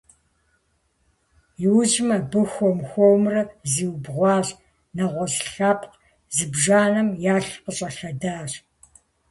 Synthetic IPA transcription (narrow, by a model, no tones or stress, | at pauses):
jɪwʑmɐbɨxʷɔmxʷɔwmrɐziːwbʁʷɑːɕ | nɐʁʷɔsɬaːpʰʼq | zɨbʒaːnɐmjaːɬqəɕʼɐɬɐdaːr